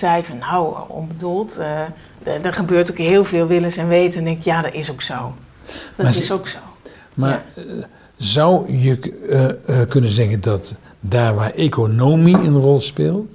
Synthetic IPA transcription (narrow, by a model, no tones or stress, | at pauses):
sɛjvənawɔ̰nbədulˠt | dəχəbøːrtokɦɪːlˠvɪːlˠʋɪlənsɛnʋeːtəɛndɛŋkɪkjadɔtɪsowksow | dmaɪsoksow | ma | zʌwjə | kɵnənzɛɣəndɔt | daːɹʋaʔekonowmiənrɔlˠspɪːlˠt